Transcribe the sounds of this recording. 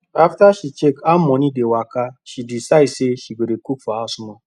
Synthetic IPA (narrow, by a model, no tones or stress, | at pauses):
aftaʃit͡ʃekamɔnidewakaʃidisaiseʃiɡʷedekukfaasʊnɔ